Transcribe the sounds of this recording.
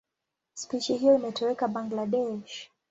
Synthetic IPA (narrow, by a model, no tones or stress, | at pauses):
spiʃiɦijɔimɛtɛwɛkabaŋɡlaɗɛʃ